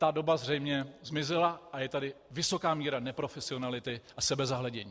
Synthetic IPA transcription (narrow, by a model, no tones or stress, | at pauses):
t̪ado̞bazr̝ɛjmɲɛzmɪzɪlaʔajɛt̪adɪvɪso̞kaːmiːɾanɛpɾo̞fɛsɪo̞nalɪt̪ɪʔasɛbɛzaɦlɛɟɛɲiː